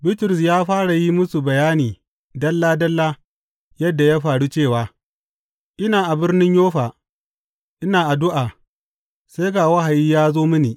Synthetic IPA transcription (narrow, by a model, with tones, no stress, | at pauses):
bɪ˦tʊ˨ɾɪ˨s̬jaː˦ɸaː˦ɽa˨ji˦mʊ˦su˨bɐ˨jaː˦niː˨ | dɐ˦lːaː˦dɐ˦lːaː˦ | jɐ˦dːa˨ja˦ɸaː˨ɽu˦t͡ʃeː˦˨waː˨ | ʔɪ˦naː˨ʔa˨bɪ˦rnɪ˦ɲjoː˦ɸaː˨ | ʔɪ˦naː˨ʔa˨dʊ˦ʔaː˨ | sa˦jɡaː˨wɐ˦ɦa˨jiː˦jaː˦zoː˦mɪ˦niː˨